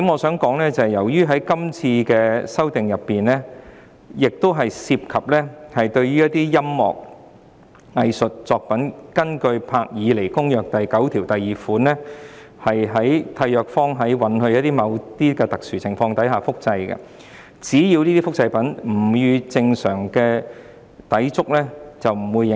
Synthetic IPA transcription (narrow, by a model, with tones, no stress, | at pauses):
iː˨˥mŋɔː˨˧sœː˨˥ŋkɔː˨˥ŋlɛː˥t͡sɐ˨hɐ˨jɐ˨˩wjyː˥ɦɐ˨˥jkɐ˥mt͡sʰiː˧kɛː˧sɐ˥wt̪ɪ˨ŋjɐ˨pːiː˨nlɛː˥ | jɪ˨k̚t̪o˥wɦɐ˨jsiː˧p̚kʰɐ˨p̚lɛː˥hɐ˨jt̪ɵ˧ɥɥyː˥jɐ˥t̚t̪iː˥jɐ˥mːɔ̰ː˨k̚ | ŋɐ˧jsɵ˨t̚t͡sɔː˧k̚pɐ˨˥nkɐ˥nkɵ˧ɥpʰaː˧k̚jiː˨˧le˨˩jkʊ˥ŋjœː˨k̚t̪ɐ˨jkɐ˨˥wt̪ʰi˨˩wt̪ɐ˨jiː˨˩fuː˨˥nlɛː˥ | hɐ˨jɦɐ˨˥jt̪ʰɐ˧jœː˨k̚fɔː˥ŋɦɐ˨˥jwɐ˨˥nɦɵ˧ɥjɐ˥t̚t̪iː˥mɐ˨˧wt̪iː˥kɛː˧t̪ɐ˨k̚syː˨˩t͡sʰɪ˨˩ŋfɔː˧ŋt̪ɐ˨˥jɦaː˨˩fʊ˥k̚t͡sɐ˧jkɛ̰˧ | t͡siː˨˥jiː˧wniː˥t̪iː˥fʊ˥k̚t͡sɐ˧jpɐ˨˥nm̩˨˩jyː˧t͡sɪ˧ŋsœː˨˩ŋkɛː˧ | t̪ɐ˨˥jt͡sʊ˥k̚lɛː˥t͡sɐ˨wm̩˨˩wuː˨˧jɪ˨